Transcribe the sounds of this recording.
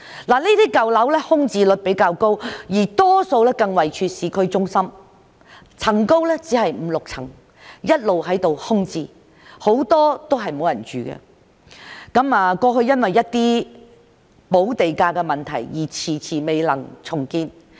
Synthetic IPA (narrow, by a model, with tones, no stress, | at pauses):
laː˨˩liː˥t̪iː˥kɐ˨wlɐ˨˥wlɛː˥hʊ˥ŋt͡siː˧lɵ˨t̚pe˨˥jkaː˧wko˥wjiː˨˩t̪ɔː˥so˧wlɛː˥kɐ˧ŋwɐ˨jt͡ʃʰyː˧t̚siː˨kʰɵ˨˧ɥt͡sʊ˥ŋsɐ˥m | t͡sʰɐ˨˩ŋko˥wlɛ˥t͡siː˨˥ɦɐ˨jm̩ː˨˧lʊ˨k̚t͡sʰɐ˨˩ŋ | jɐ˥t̚lo˨whɐ˨˥jt̪o˨whʊ˥ŋt͡siː˧ | ho˨˥wt̪ɔː˥t̪o˥wɦɐ˨jmo˨˥wjɐ˨˩nt͡ʃyː˨˧kɛ̰˧ | kɐ˨˥maː˧kɔː˧ɦɵ˧ɥjɐ˥nwɐ˨jːɐ˥t̚t̪iː˥ | po˨˥wt̪e˨jkaː˧kɛ˧mɐ˨˩nt̪ʰɐ˨˩jjiː˨˩t͡sʰiː˨˩t͡sʰiː˨˩me˨jlɐ˨˩ŋt͡sʰʊ˨˩ŋkiː˧n